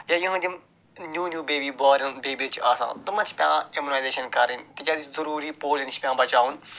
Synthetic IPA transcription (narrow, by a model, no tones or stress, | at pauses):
jajɐɦãd̪im | njuːnʲjuːbeːbiːbaːɾɐnbeːbit͡ʃaːsã̰ːt̪ʊmɐ̃t͡ʃʰpʲjã̰ːemunaːjzeːʃɐnkɐɾint̪ɐkʲaːd̪it͡ʃzɐɾuːɾipoːlint͡ʃpʲjãːbɐt͡ʃaːun